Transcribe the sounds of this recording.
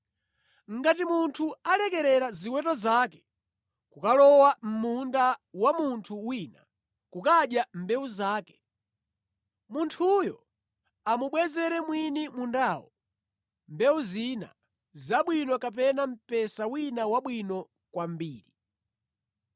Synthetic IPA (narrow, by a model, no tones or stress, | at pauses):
ŋ̩ɡatimuntʰualɛkɛɾɛɾaziwɛtɔzaːkɛ̥ | kukalɔwam̩mundawamuntʰuwina̰ | kukaɗjambɛwuzaːkɛ̥ | muntʰujɔ̰ | amuɓwɛzɛɾɛmwinimundaːwɔ | mbɛwuzina̰ | zaɓwinɔkap̬ɛnam̩pɛsawinawaɓwinɔ | kwambiːɾi